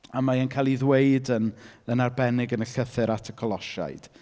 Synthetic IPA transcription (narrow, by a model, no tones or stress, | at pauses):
amaənkʰajlˠiðwejdənənarbɛnɪɡənəɬəθɨɾatʰəkʰɔlˠɔʃa̰jd̥